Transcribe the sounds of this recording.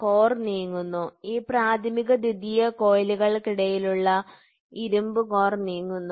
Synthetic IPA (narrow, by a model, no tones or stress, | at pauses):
koːrniːŋːunːuiːpraːt̪ʰɐmiɣɐd̪id̪ijɐko̞ːjliɣɐɭkiɽɐjiluɭːɐ | iɾumbɨko̞ːrniːŋːunːu